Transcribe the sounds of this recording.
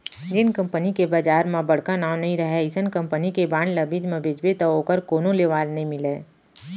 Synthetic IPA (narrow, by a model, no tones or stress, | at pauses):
ɡɪnkɐ̃mpənikebaːd͡ʒaːɾmãbɐɽ̤kanaːmnɐɦĩɾɐɦɛɪsənkɐ̃mpənikebaːɳlɐbid͡ʒmɐ̃beːd͡ʒbet̪ɐoːkəɾkoːnõleːʋaːlnɐɦĩmɪleː